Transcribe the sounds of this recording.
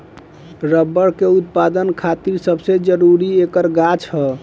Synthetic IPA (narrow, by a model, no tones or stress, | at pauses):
ɾəbːəɽkeut̪̚pad̪ənkʰat̪iɾsəbsed͡ʒəɾuɾiekəɾɡat͡ʃʰɦə